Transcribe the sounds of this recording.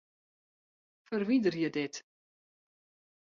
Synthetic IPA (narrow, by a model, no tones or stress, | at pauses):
fərʋidərjədɪt